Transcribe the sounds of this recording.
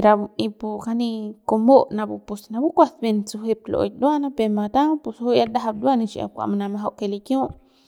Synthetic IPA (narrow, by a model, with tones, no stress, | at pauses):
ɾa˧bu˧i˧pu˧ka˧nĩ˧ko˧mo˦ʔnã˧bu˧pu˧sna˧bu˦kʷa˧sbe˧nt͡su˧ɦe˧p̚lo̰ʔjd̪u˦a˦nã˦pe˧mã˧t̪ã˦ŋpu˧sho˦ja˦d̪a˦ɦa˧bd̪wa˦˧nĩ˧t͡ʃi˧a̰˨kʷa̰˧ma˧nã˧mã˧ɦa˧wʔke˧li˧kjõ˦ʔ